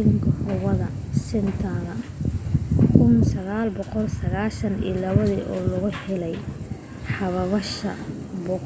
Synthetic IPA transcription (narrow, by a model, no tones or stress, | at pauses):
ɪŋkʰɐhʊwɐðɐ | sɪnt̪ʰɐðɐ | kʰʊnsɐɣaːlbɔqɔlsɐɣaːʃɐnḭːlɐβɐðiːʔɔːlʊɣʊhɛlɛj | ħɑβɐβɐʃɐ | bɔːq